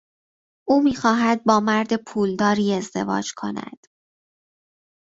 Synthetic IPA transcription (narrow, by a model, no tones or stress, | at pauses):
ʔuːmiːxɒːɦæd̪̚bɒːmæɾd̪e̞pʰuːld̪ɒːɾiːe̞zd̪e̞̰vɒ̰ːd͡ʒkʰo̞̰næ̰d̪̥